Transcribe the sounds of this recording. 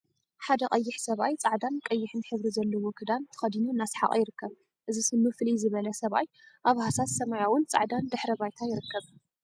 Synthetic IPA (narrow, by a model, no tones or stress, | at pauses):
ħad̪ɐqʼɐjːɪħsɐβajt͡sʼaʕd̪ankʼɐjːɪħɨnħɨβɾizɐlːɐwokʰɨd̪ant̪ʰɨ̥xɐd̪inuɨnːasħa̰qʼa̰jɪɾɨkːɐβ | ʔɨzisɨmːɨflizɨβɐlɐsɐβa̰j | ʔaβhasat̪sɐmajawʊnt͡sʼa̰ʕd̪and̪ɨħɾɐβajt̪ʰajɪɾɨkːɐβ